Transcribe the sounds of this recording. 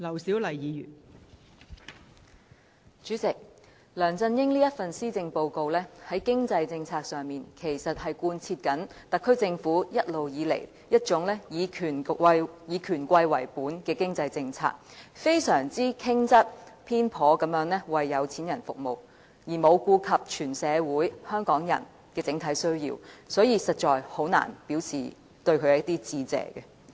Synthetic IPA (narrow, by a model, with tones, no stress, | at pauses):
lɐ˨˩wsiː˨˥wlɐ˨˩jjiː˨˧jy̰ː˨˩n | t͡ʃyː˨˥t͡sɪ˨k̚ | lœː˨˩ŋt͡sɐ˧njɪ˥ŋliː˥jɐ˥t̚fɐ˨nsiː˥t͡sɪ˧ŋpo˧wko˧wlɛː˥hɐ˨˥jkɪ˥ŋt͡sɐ˧jt͡sɪ˧ŋt͡sʰaː˧k̚sœː˨ŋmiː˨nkʰe˨˩jsɐ˨t̚hɐ˨jkuː˧nt͡sʰiː˧t̚kɐ˨˥nt̪ɐ˨kʰːɵ˥t͡sɪ˧ŋfuː˨˥jɐ˥t̚lo˨wjiː˨˧lḛ˨˩j | jɐ˥t̚t͡ʃʊ˨˥ŋlɛː˥jiː˨˧kʰːnjiː˨˧kʰyː˨˩nkʷɐ˧jwɐ̰˨˩jpuː˨˥nkɛː˧kɪ˥ŋt͡sɐ˧jt͡sɪ˧ŋt͡sʰa̰ː˧k̚fe˥jsœː˨˩ŋt͡siː˥kʰɪ˥ŋt͡sɐ˥t̚pʰiː˥npʰɔː˨˥kɐ˨˥mjœː˨˥ŋnlɛ˥wɐ˨jːɐ˨˧wt͡sʰiː˨˥njɐ˨˩nfʊ˨k̚mo˨˩w | jiː˨˩mo˨˧wkuː˧kʰɐ˨p̚t͡ʃʰyː˨˩nsɛː˨˧wuː˨˥jhœː˥ŋkɔː˨˥ŋjɐ̰˨˩n | kɛː˧t͡sɪ˨˧˥ŋt̪ʰɐ˨˧˥jsɵ˥ɥjḭː˧wsɔː˨˥jiː˨˧sɐ˨t̚t͡ʃɔː˨jho˨˥wna̰ː˨˩npiː˨˥wt͡sʰḭː˨˩ | t̪ɵ˧ɥkʰɵ˨˧jt̪iː˥t͡siː˧t͡sɛ̰ː˨˩kɛ˧